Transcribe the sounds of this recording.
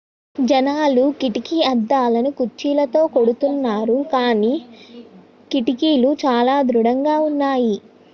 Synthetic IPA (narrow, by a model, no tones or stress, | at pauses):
d͡ʒɐnaːlukiʈikiɐd̪ːaːlɐnukut͡ʃːiːlɐt̪o̞ːko̞ɽut̪unːaːɾukaːniː | kiʈikiːlut͡ʃaːlaːd̪ɾuɽɐŋɡaːunːaːji